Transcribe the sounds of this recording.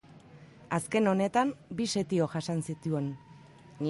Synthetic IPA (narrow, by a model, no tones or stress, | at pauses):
aske̞no̞ne̞t̪ambise̞t̪io̞ʝasansit̪ue̞n | ni